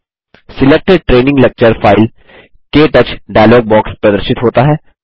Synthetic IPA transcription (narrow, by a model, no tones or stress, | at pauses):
sɪlek̚ʈeɖ̚ʈɾeːnɪ̃ŋɡlek̚t͡ʃəɾfaːɪl | keʈɐt͡ʃʰɖaːjloːɡ̚bɔːkspɾɐd̪əɾʃɪt̪ɦoːt̪aɦɛː